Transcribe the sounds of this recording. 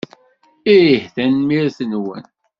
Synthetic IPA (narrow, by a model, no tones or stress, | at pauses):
iɾəhθænmiɾθənwə̰n